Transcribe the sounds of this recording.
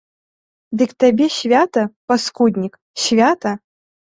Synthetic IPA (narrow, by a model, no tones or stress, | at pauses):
d̪ɨkt̪abʲɛɕvʲat̪ɐpɐskud̪ʲnʲik | ɕvʲat̪ɐ